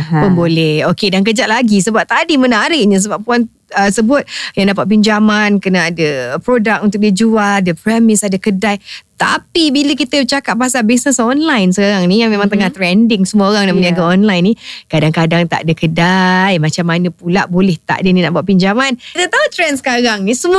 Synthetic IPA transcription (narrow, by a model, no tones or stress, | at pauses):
pʊnbolɛhokedaŋk̬əd͡ʒaʔ̪̚laɡisəbap̚t̪adimənaaɾəʔɲə̃s̬əbap̚puan | əsəbʊt̪̚jaŋdapat̪̚piɲd͡ʒamankənaadəpɾodak̚unt̪ʊk̚did͡ʒualadəpɾɛmɪsadəkədajt̪a̰pibiləkit̪ət͡ʃakat̚baɦasalbisnəsɔnlajnsəkaɾaŋnijaŋmemaŋt̪̬əŋaht̪ɾɛndɪŋsəmuəoɾaŋnaməniaɡaɔnlajnikadaŋkadaŋt̪a̰ʔdəkədajmat͡ʃamːanəpulaʔbolɛht̪a̰ʔdəninaʔbuaʔ̪̚piɲd͡ʒamanit̪ət̪aut̪ɾɛnsə̥kaɾaŋnisəmu